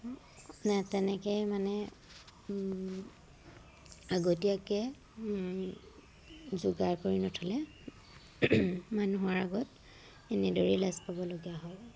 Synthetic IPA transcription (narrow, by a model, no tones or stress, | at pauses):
natɛnɛkɛmanɛ | aɡotijakɛ | zuɡaɹkoɹinɔtʰɔlɛ | manuɦɔɹaɡɔt | ɛnɛdɔɹilazpabɔloɡijaɦɔj